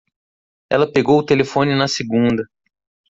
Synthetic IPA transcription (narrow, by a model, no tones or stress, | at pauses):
ɛ̰lɐpeɡowʊt̪elefõnɪnɐseɡũnd̪ɐ